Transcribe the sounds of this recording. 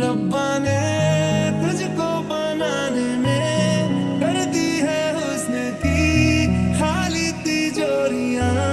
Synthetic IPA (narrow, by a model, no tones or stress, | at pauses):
ɾɐbːãne | t̪ʊd͡ʒʱkopənaːnemẽ | kɐɾd̪iɦɛʊsnet̪i | xaːlit̪id͡ʒoːɾɪjãː